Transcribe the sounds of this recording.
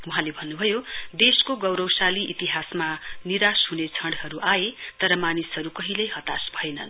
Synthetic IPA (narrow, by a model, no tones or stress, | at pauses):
uɦãlebʱʌnːubʱʌjod̪eskoɡʌwɾʌwsaliʔit̪iɦasmaniɾasɦunet͡sʰʌɳɽɦʌɾuʔaet̪ʌɾʌmanisɦʌɾukʌɦilʌjɦʌt̪asbʱʌjnʌ̰n